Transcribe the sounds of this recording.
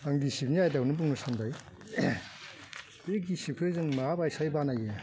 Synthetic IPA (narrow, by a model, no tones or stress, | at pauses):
aŋdisipnijajdawnɯbuŋnɯsandaj | bek̚ɡisikʰɯzɯŋmaabajsajbanaje